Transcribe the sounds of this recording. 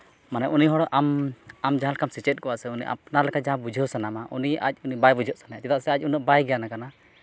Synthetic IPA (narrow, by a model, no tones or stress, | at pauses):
manɛʔuniɦɔɽɔʔamamd͡ʒaɦalkamsit͡ʃɛt̪̚ˀkɔwaʔsɛuniʔa̰p̚nalɛkad͡ʒaɦãbud͡ʒʱɔsanamaʔṵnia̰c̚ˀunibajbud͡ʒʱɔʔsanatɛt̪aʔsɛac̚unəʔbajɡɛjanakana